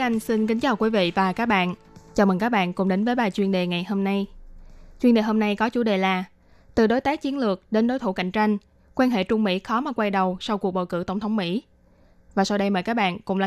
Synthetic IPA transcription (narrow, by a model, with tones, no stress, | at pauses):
ʔa˧ŋ̟si˧nkï˨˦ŋ̟t͡ɕaː˨˩wkwi˨˦vḭ˧˨vaː˨˩kaː˦˥k̚ɓa̰ː˧˨n | t͡ɕəː˨˩mə˨˩ŋkaː˦˥k̚ɓa̰ː˧˨nkʊ̰˨˧˩ŋ͡mɗe˨˦nvəː˨˦jɓaː˨˩jt͡ɕwi˧ənɗe˨˩ŋa˨˩jho˧mna˧j | t͡ɕwi˧ənɗe˨˩ɦo˧mna˧jkɔ˨˦t͡ɕu˧˩ɗḛ˧˨˩laː˨˩ | t̪ɨ˨˩ɗo˨˦jt̪aː˦˥k̚t͡ɕi˨˦ənlɨ˨˩ək̚ɗe˨˦nɗo˨˦jt̪ʰu˧˩ka̰˧˨jŋ̟t͡ɕa˧jŋ̟ | kwaː˧nɦḛ˧˨t͡ɕʊ˧ŋ͡mmḭ˧˥xɔ˨˦maː˨˩kwa˧jɗə˨˩wsa˧wku˨˩ək̚ɓə˨˩wkɨ̰˧˥t̪ə˧˩wŋ͡mt̪ʰə˨˦wŋ͡mmḭ˧˥ | vaː˨˩sa˧wɗə˧jməː˨˩jkaː˦˥k̚ɓa̰ː˧˨nkʊ̰˧˥ŋ͡mlaː˨